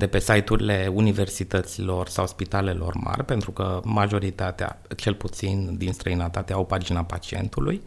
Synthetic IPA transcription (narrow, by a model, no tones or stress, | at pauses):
d̪e̞pe̞sajt̪uɾile̞unive̞rsit̪ət̪silo̞rsawspit̪ale̞lʔo̞̰rma̰rʲpe̞nt̪ɾukəmaʒo̞ɾit̪at̪ea̰t͡ʃe̞lput̪sind̪inst̪ɾəinət̪at̪eawpard͡ʒinapat͡ʃie̞̰nt̪uluj